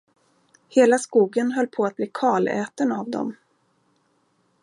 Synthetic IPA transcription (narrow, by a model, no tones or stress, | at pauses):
heːlaskuːɡənɦœlːpʰɔat̪̚bliːkʰɑːlɛ̰ːt̪ənavd̪ɔ̰m